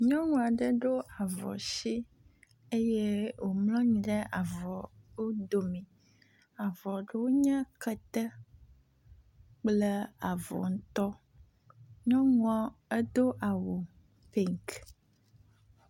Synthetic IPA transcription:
ɲɔ̃˦ŋũ˦˨a˨ɖə˦ɖo˦a˨vɔ̰˨si˦ | e˦je˦wo˨mlɔ̃˦ɲĩ˨ɖɛ˦ʔa˨vɔ˨wo˦d̪o˨mĩ˨ | a˨vɔ˨ɖe˦wo˦ɲɛ̃˦kə˦t̪ə˦ | k͡plə˦a˨vɔ̰˨ŋ̩̃˦t̪ɔ˦ | ɲɔ̃˦ŋ˦ɔ̃˦e˦d̪o˦ʔa˨wo˨ | pi˦ŋk

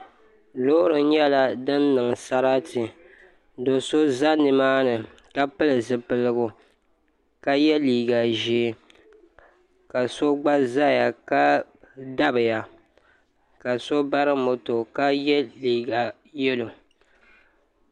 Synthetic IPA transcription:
loː˦ɾɨ˨ɲɛ˦la˦dɨ˦nːɨ˨ŋ˨sa˦ɾa˦tɪ˨ | do˨so˦za˦nɨ˨maː˦nɨ˨ | ka˦pɨ˦lɨ˨zɨ˨pɨ˨lɨ˦ɡʊ˨ | ka˦jɛ˦liː˨ɡa˨ʒe˨˦ | ka˨so˦ɡ͡ba˦za˦ja˨ka˦ | da˦bɨ˨ja˨ | ka˨so˦ba˦ɾɨ˦mo˨to˨ka˦jɛ˦liː˨ɡa˨ | jɛ˦lo˨

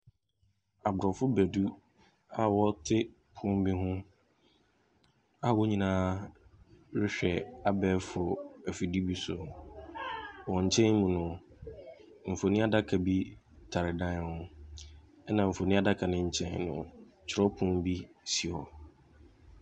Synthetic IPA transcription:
a˨bʊ˨ɾɔ˨fʊ˦bæ˨du˦ | a˨wɔ˦tʰɪ˦ | pʰʊ̃˦m˦bi˦ɦʊ̃˦ | a˨wɔ˦ɲĩ˨nãː˦ | ɾɪ˦ɕᶣɛ˨a˦bɛː˦fʊ˨æ˨fi˨di˦bi˦sʊ˨ | wɔ˨ɲ̩˨t͡ɕʰɛ̃˦n˦mũ˨nʊ̃˨ | m̩˨fo˨nĩ˦a˦da˦kʰa˨bi˦ | tʰa˨ɾɪ˨dã˦n˦hʊ̃˦ | ɛ˦nã˨m̩˨fo˨nĩ˦a˦da˦kʰa˨nɪ̃˦ɲ̩˨t͡ɕʰɛ̰̃˦nnʊ̰̃˨ | t͡ɕʰɪ˨ɾɔ˦pʰʊ̃˦m˦bi˦si˨ɔ̰˨

